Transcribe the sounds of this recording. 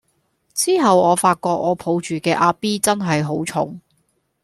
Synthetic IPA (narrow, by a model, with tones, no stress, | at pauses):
t͡siː˥ɦɐ˨wɔː˨˧faː˧t̚kɔː˧k̚ɔː˨˧pʰo˨˧˥wt͡ʃyː˨˩kɛː˧ʔaː˧piː˥t͡sɐ˥nɦɐ˨jɦo˨˥wt͡ʃʰʊ̰˨˥ŋ